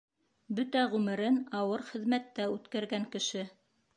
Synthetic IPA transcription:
bɵt̪æʁʉmɘ̆ɾɘnɑwɤɾχɘ̆ðmæt̪ːæʉt̪kæɾɡæŋkɘ̆ʃɘ

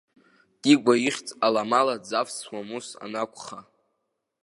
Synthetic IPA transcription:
tʼiɡʷaiχʲt͡sʼalamalad͡zafswamusa̰nakʷʰʼχa

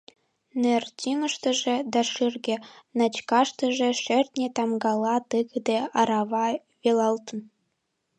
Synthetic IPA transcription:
nertʲiŋə̆ʃt̪ə̆ʒĕd̪ɑʃyrɡʲĕnɑt͡ɕkɑʃt̪ə̆ʒĕʃert̪ʲnʲet̪ɑmɡɑlˠɑt̪ɯɡə̆d̪eɑɾɑβɑ | ʋelɑlt̪ə̆n

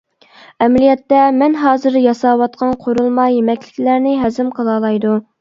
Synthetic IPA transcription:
ɛmlijɛt̪ːɛmɛnɦɑːzɨɾjɑsɑːwɑt̪̚qʰɑnqʰoɾulˠmɑjːemɛkʲlɪkʲlæɾnɪɦɛzɪmqʰəlˠɑːlˠɑjd̪u

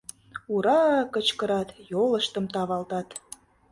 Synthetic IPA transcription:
uɾɑkət͡ɕkə̆ɾɑt̪jolə̆ʃt̪əmt̪ɑβɑlt̪ɑt̪

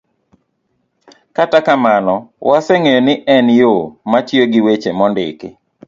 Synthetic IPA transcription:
katakamanɔwʔasɛŋejonɪʔɛnjomat͡ʃjoɡɪwet͡ʃemɔndɪ̰kɪ̰

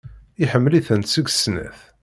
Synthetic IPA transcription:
ɪħəmːəliθənt̪səɡʷsnæ̰θ

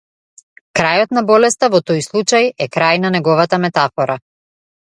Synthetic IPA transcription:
kɾajɔt̪nabɔlɛst̪avɔt̪ɔjslˠut͡ʃajɛkɾajnanɛɡɔvat̪amɛt̪afɔɾa

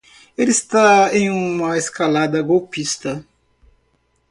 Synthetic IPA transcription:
elist̪aẽj̃ũmɐeskalad̪ɐɡowpist̪ɐ

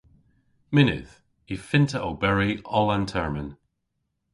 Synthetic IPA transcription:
mɪnɪ̰ð̥ | ifɪntʰəʔəbɛɹiʔɔlˠãntʰɛɹmən

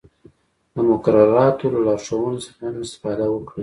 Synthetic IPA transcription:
d̪əmʊkaɾaɾɑt̪olalɑɾʂawənosəxamɪst̪ɪ̥fɑd̪awəkɽi

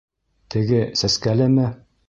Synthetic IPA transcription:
t̪ʰɘ̆ɡɘsæskælɘmɘ

